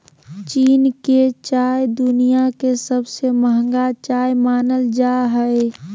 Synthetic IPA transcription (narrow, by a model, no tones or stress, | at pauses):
t͡ʃiːnket͡ʃaːjd̪ʊnijakesəbseməɦə̃ŋɡat͡ʃaːjmaːnəld͡ʒaɦəe